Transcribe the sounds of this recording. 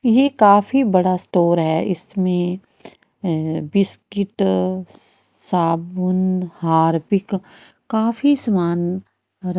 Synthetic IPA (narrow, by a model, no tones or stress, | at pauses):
jeːkaːfibɐɽasʈoːɾɦɛːʔɪsmẽ | bɪskɪʈ | saːbʊnhaːɾpɪk | kaːfisɐmaːn | ɾɐ